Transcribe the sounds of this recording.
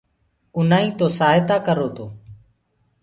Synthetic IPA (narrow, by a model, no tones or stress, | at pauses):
ʊnaːĩːt̪oːsaːɦɪt̪aːkəɾoːt̪oː